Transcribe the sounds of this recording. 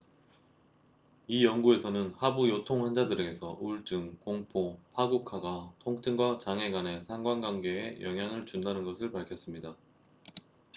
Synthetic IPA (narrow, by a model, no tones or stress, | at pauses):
ijʌŋɡue̞sʰʌnɯnhabujotʰoŋwand͡ʑadɯɾeɡesʰʌʔuɭt͡ɕ͈ɯŋkoŋpʰopʰaɡukʰaɡatʰoŋtʰɯŋɡwat͡ɕaŋɦe̞ɡwane̞sʰaŋɡwaŋɡwaŋɡe̞ːjʔʌŋɦjaŋɯɭt͡ɕundanɯnɡʌsʰɯɭpaɭkʰjʌs͈ɯmɲida